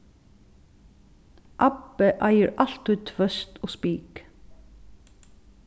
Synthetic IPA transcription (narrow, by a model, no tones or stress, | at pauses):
ʔɑbəʔæɪəɹʔɑlt̪ʉːt̪ʰʋœst̪oːspiːk